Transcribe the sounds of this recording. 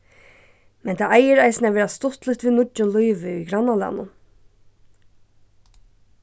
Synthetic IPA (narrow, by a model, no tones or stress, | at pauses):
mɛnt̪ʰaːʔajəɾaɪsnæːʋɛːɾast̪ɔt̪lʏt̪ʋiːnʊʊnlɔʏʋɪʏɡɾɑnalɑ̰nʊ̰n